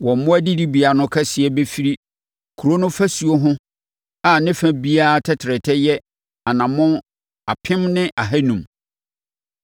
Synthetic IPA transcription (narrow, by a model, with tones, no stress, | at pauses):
wɔ̃˨m̩˨mʊ̃˦æ˦di˦di˦bi˨a˨˦nʊ̃˦kʰɛ˦sɪ˨ɛ˦be˦fi˦ɾi˦ | kʰu˨ɾo˦nʊ̃˦fæ˦su˨o˦ɦʊ̃˦ | a˨nɪ̃˦fæ̃˨bi˦a˦a˦tʰɛ˦tʰɾɛ˨tʰɛ˦jɛ˦ | a˨nã˨mʊ̃˦ | a˨pʰɪ̃˦mnɪ̃˦ʔa˨ɦæ˦nũ˨m